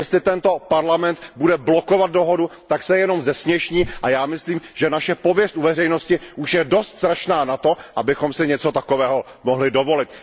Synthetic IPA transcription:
jɛst̪lɪt̪ɛnt̪o̞paɾlamɛnt̪budɛblo̞ko̞vat̪̚do̞ɦodut̪aksɛjɛno̞mzɛsmɲɛʃɲiːʔajaːmɪsliːmʒ̥ɛnaʃɛpo̞vjɛst̪ʔuvɛrɛjno̞scɪʔuʃjɛdo̞st̪z̥ɾaʃnaːnat̪o̞ʔabɪxo̞msɪɲɛt͡so̞t̪akovɛːɦo̞ | moɦlɪdo̞vo̞lɪt̪

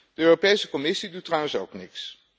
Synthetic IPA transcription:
d̥əøːropejsəkɔmɪsidutːrawənso̰wknɪks

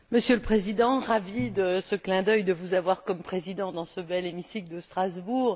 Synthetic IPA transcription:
məsjøləpχezid̪ɑ̃ʁavid̪əsəklɛ̃d̪œjd̪əvuzavwaʁkɔmpχezid̪ɑ̃d̪ɑ̃səbɛlemisikld̪əst̪χazbuːʁ

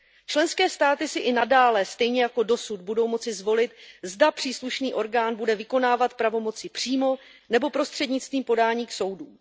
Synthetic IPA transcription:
t͡ʃlɛnskɛːst̪aːt̪ɪsɪʔɪnadaːlɛst̪ɛjɲɛjako̞do̞sud̪̚budo̞wmo̞t͡sɪzvo̞lɪt̪zdapr̝̥iːsluʃniːʔo̞ɾɡaːnbudɛvɪko̞naːvat̪pɾavo̞mo̞t͡sɪpr̝̥iːmo̞ | nɛbo̞pɾo̞st̪r̥ɛdɲɪt͡st̪viːmpo̞daːɲiːkso̞wduː

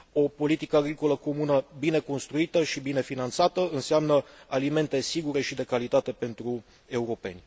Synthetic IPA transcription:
o̞po̞lit̪ikəaɡɾikoləko̞munəbine̞ko̞nst̪ɾuit̪əʃibine̞finant̪sat̪əɨnseamnəalime̞nt̪e̞siɡuɾe̞ʃid̪e̞kalit̪at̪e̞pe̞nt̪ɾu | e̞uɾo̞pe̞nʲ

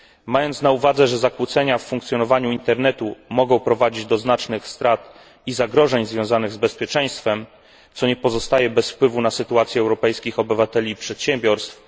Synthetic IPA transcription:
majɔnt̪snauvad̪zɛʐɛzakwut̪sɛɲafːuŋkt̪sʲjɔnɔvaɲuint̪ɛɾnɛt̪umɔɡɔ̃w̃pɾɔvad͡ʑid͡ʑd̪ɔznat͡ʂnɘxst̪ɾat̪ | izaɡɾɔʐɛɲzvʲjɔ̃w̃zanɘɣzbɛspʲjɛt͡ʂɛj̃st̪fɛm | t̪sɔɲɛpɔzɔst̪ajɛbɛsfpwɘvunasɘt̪uat̪sʲjɛɛwɾɔpɛjskʲixɔbɘvat̪ɛlʲipʂɛt̪ɕɛmbʲjɔɾst̪f

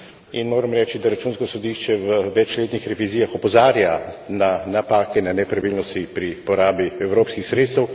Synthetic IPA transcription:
inmoːɾɛmɾɛːt͡ʃid̪aɾat͡ʃunskɔsɔd̪iʃt͡ʃɛʋəʋɛt͡ʃleːt̪nixɾɛʋiziːjaxɔpɔzaːɾjananapaːkɛnanɛpɾaʋilnɔst̪ipɾipɔɾaːbiɛwɾoːpskixsɾeːt̪st̪ɛw

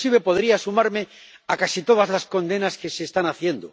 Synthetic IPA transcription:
siβepo̞ðɾiasumaɾme̞ | akasit̪o̞ð̞azlasko̞nd̪e̞naske̞seːst̪anaθje̞nd̪o

